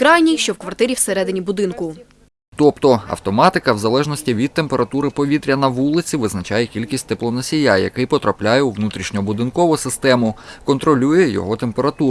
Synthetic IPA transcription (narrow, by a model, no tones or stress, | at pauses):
kɾɑjnʲijʃt͡ʃɔwkʋɐrt̪ɪɾʲiwseɾɛd̪ɪnʲibʊd̪ɪnkʊ | t̪ɔpt̪ɔɐ̰wt̪ɔmɑt̪ɪkɐwzɐlˠɛʒnɔsʲtʲiʋʲid̪t̪̚t̪empeɾɐt̪uɾɪpɔʋʲit̪ɾʲɐnɐʋulˠɪt͡sʲiʋɪznɐt͡ʃɑjɛkʲilʲkʲisʲtʲt̪eplˠɔnɐsʲijajɐ̰kɪjpɔt̪ɾɐplʲajɛuʋnut̪ɾʲiʃnʲɔɔbʊd̪ɪnkɔʋʊsɪst̪ɛmʊkɔnt̪ɾɔlʲujɛjɔ̰ɦɔt̪empe̞ɾɐt̪u